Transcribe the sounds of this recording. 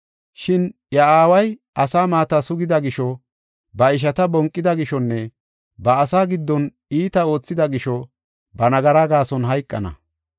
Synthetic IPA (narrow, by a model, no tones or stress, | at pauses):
ʃɪnjɐaːwɐjʔɐsaːmaːt̪asʊɡɪd̪ɐɡɪʃɔ | bɐɪʃ̬ɐt̪ɐbɔŋkʼːɪd̪ɐɡɪʃɔnːɛ | bɐːsaːɡɪd̪ːɔn | iːt̪ɐo̞ːt͡sːɪd̪ɐɡɪʃɔ | bɐnɐɡɐɾaɡaːsɔnɦɐjkʼːɐ̰nɐ̰